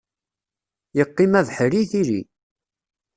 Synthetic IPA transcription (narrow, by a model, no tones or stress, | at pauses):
jəqːimæðħəɾiθiɾḭ